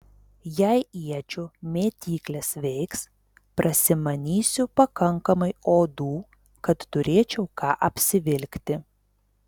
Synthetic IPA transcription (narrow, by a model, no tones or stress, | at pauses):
jæɪiɛt͡ʃʲʊmʲeːt̪ʲiːklʲɛsʋʲɛɪks | pɾʔɐsʲɪmɐnʲiːsʲʊpɐkɐŋˑkɐmɐɪoːd̪uː | kɐt̪ːʊɾʲeːt͡ʃʲɛʊkɑːʔɐpʲsʲɪʋʲɪlʲkʲt̪ʲɪ